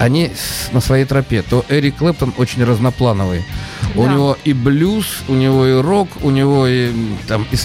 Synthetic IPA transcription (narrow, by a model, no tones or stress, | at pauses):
ɐnʲinəsvɐjejt̪ɾɐpʲet̪oʔɛɾʲɪklˠɛp̚t̪ənot͡ɕɪnʲrəznɐplˠanəvɨjʊnʲɪvo̞ʔiblʲusʊnʲɪvo̞ɪro̞kʊnʲɪvo̞it̪amɪs